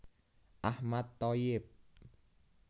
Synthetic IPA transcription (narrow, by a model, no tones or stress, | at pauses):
ʔahmat̪ːɔjip̚